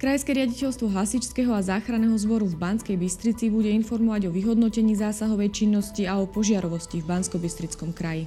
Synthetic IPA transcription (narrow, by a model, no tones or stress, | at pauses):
kɾajskɛɾɪaɟicɛʎst̪ʋɔɦasit͡ʃskɛɦɔazaːxɾanɛːɦɔzbɔɾuvbanskɛjbist̪ɾit͡sibuɟɛinfɔɾmɔʋaɟɔʋiɦɔd̪nɔcɛɲiːzaːsaɦɔʋɛjt͡ʃinːɔsciaɔpɔʒɪaɾɔʋɔscivbanskɔbist̪ɾit͡skɔmkɾaji